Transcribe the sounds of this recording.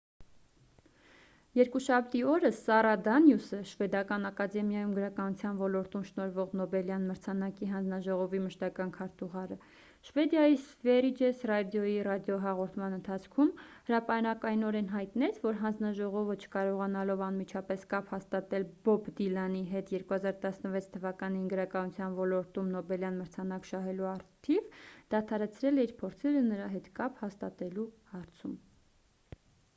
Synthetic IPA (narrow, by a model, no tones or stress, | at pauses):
jɛɾkuʃɑp̚ʰt̪iɔɾəsɑɾɑd̪ɑnjusəʃvɛd̪ɑkɑnɑkɑd̪ɛmjɑjumɡəɾɑkɑnut͡sʰjɑnvɔlɔɾt̪umʃnɔɾvɔʁnɔbɛljɑnməɾt͡sʰɑnɑkiɦɑnd͡znɑʒɔʁɔviməʃt̪ɑkɑnkʰɑɾt̪uʁɑɾə | ʃvɛd̪jɑjisvɛɾid͡ʒɛsrɑd̪jɔjirɑd̪jɔɦɑʁɔɾt̪ʰmɑnənt̪ʰɑt͡sʰkʰumhəɾɑpɑnɑkɑjnɔɾɛnɦɑjt̪nɛt͡sʰvɔɾɦɑnd͡znɑʒɔʁɔvət͡ʃʰə̥kɑɾɔʁɑnɑlɔvɑnmit͡ʃʰɑpɛskɑphɑst̪ɑt̪ɛlbɔbd̪ilɑniɦɛt̪ʰjɛɾkuhɑzɑɾt̪ɑsnəvɛt͡sʰt̪ʰːəvɑkɑninɡəɾɑkɑnut͡sʰjɑnvɔlɔɾt̪umnɔbɛljɑnməɾt͡sʰɑnɑkʃɑɦɛluɑɾt̪ʰivd̪̥ɑt̪ʰɑɾɛt͡sʰɾɛlɛiɾpʰɔɾt͡sʰɛɾənəɾɑɦɛt̪kɑphɑst̪ɑt̪ɛluhɑɾt͡sʰum